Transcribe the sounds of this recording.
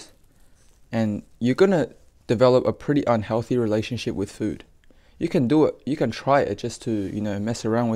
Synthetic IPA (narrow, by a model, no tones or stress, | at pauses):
ɨ̃njə˞ɡʌnɨ | d̥ɨvɛlˠəpəpʰɹ̥ɪɾiʔʌ̃nhɛlˠθiɹileɪʃɨ̃nʃɪpwɨð̥fʉ̰d̥ | jɨkʰɨ̃ndəɪt̚jɨkɨ̃ntʰɹ̥aɪɪ̰t̚d̥ʒ̥ʌstʰɨjɨ̰noʊmɛsə˞ãʊ̃nw